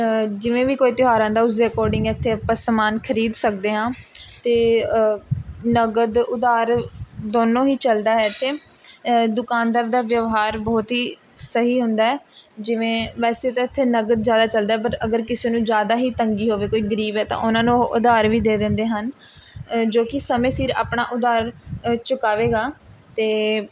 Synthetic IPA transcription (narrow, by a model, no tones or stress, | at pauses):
d͡ʒɪʋẽːʋiːkoːiːt̪ɪɦaːɾãːd̪aːʊsekɔːɾɖɪ̃ŋɡɛːɪt̪ʰːeːpəsmaːnkʰəɾiːd̪sək̚d̪eːɦãːt̪eː | nəɡəd̪ʊd̪aːɾd̪oːnõːɦiːt͡ʃəld̪aːɦɛːt̪ʰeː | d̪ʊkaːnd̪əɾd̪aːʋjəʋɦaːɾbɔːt̪ɦiː | səɦiːɦʊ̃nd̪aːɦɛːd͡ʒɪʋẽːʋɛːseːt̪ãːɪt̪ʰːeːnəɡəd̪zjaːd̪aːt͡ʃəld̪aːɦɛːpəɾəɡəɾkɪseːnũːd͡ʒjaːd̪aːɦiːt̪əŋɡiːɦoːʋeːkoːiːɡəɾiːbɛːt̪ã̰ːʔʊnãːnũːʔʊd̪aːɾʋiːd̪eːd̪ɪ̃ːnd̪eːɦən | d͡ʒoːkɪsəmẽːsiːɾa̰ːpɳaːʔʊd̪aːɾt͡ʃʊkaːʋeːɡaː | t̪eː